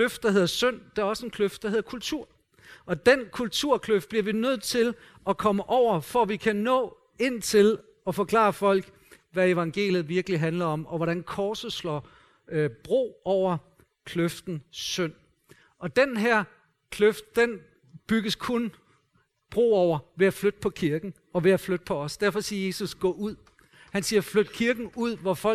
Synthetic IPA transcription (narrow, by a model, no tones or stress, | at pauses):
øfd̥̚d̥ɑ̈ɦe̝ð̰ˠɐsøn̰d̥eæɐɒ̽səenkʰløfd̥ɑhe̝ð̞̰ˠɐkʰult͡sʰuɐ̰ | ʔɒ̽d̥enkʰult͡sʰuɐ̰kʰløfd̥̚b̥liɐʋinøð̞̰ˠt͡sʰe̝l | ʔɒ̽kʰɒ̽məʔɒʊ̰ɐfɒʋikʰænɔ̰ː | e̝n̰t͡sʰe̝l | ɒ̽fɒ̽kʰlɑ̰̈ːfɒ̽l̰ɡ̥ | ʋæe̝ʋɑ̈ŋɡ̥e̝̰ːljð̩ˠʋiɐɡ̥liɦænlɐɒ̽mɒ̽ʋɒɾænkʰɒːsəslɒ | b̥ʁo̝̰ːɒʊ̰ɐ | kʰløfd̥n̩søn̰ | ɒ̽d̥enɦæɐ̰ | kʰløfd̥̚d̥en | b̥yɡ̥əskʰon | b̥ʁo̝̰ːɒʊ̰ɐʋe̝æflød̥əpʰɒ̽kʰiɐɡ̥n̩ | ɒ̽ʋe̝æflød̥əpʰɒ̽ɒ̽sd̥æɐfɒ̽siːɐje̝ːsusɡ̥ɔ̰ːʔuð̰ˠ | hænsiːɐflød̥kʰiɐɡ̥n̩uð̰ˠʋɒfɒ